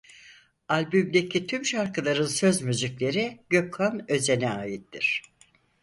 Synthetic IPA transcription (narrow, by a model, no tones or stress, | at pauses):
alʲbymd̪e̞cʰit̪ʰymʃaɾkɯlˠaɾɯnsø̞zmyziclʲe̞ɾiɟ̥økːanø̞ze̞nɛaːjit̪d̪iɾ̥